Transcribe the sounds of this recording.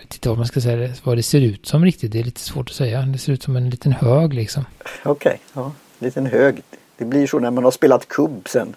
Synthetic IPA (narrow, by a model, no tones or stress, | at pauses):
t̪ʰɪ̥t̪ːavamanskasɛjadɛvad̪ɛseːɾʉ̟ːt̪sɔmɾɪk̚t̪ɪt̪̚d̪ɛæɭiːt̪ʰə̥svoːʈɔ̥sɛjːad̪ɛseːɾʉːt̪sɔmɛnliːt̪ənhøːɡlɪksɔmɔkʰɛ̰jɑː | liːt̪ənɦøːɡd̪̥ɛblɪʂɔnæɾmanhaʂpeːlat̪kʰɵbːsɛn